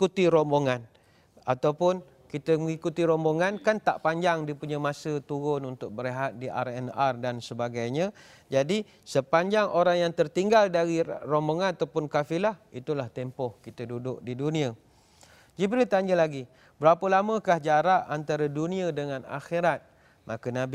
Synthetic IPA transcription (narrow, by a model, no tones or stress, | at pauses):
kut̪iɾomoŋan | at̪awpʊn | kit̪əməŋikut̪iɾomoŋankant̪a̰ʔpaɲd͡ʒaŋdipuɲamasət̪uɾʊnunt̪ʊk̚bəɾeɦat̪̚diʔa̰rɛnardansəbaɡajɲə̃ | d͡ʒadi | səpaɲd͡ʒaŋʔoɾaŋjaŋt̪ərt̪iŋɡaldaɾiromboŋanat̪awpʊnkafilahit̪ulaht̪ɛmpɔhkit̪ədudʊk̚didunĩə | d͡ʒibɾit̪aɲəlaɡi | bəɾapəlamə̃kahd͡ʒaɾaʔant̪aɾadunĩə̃dəŋana̰xiɾat̪̚ | makənabi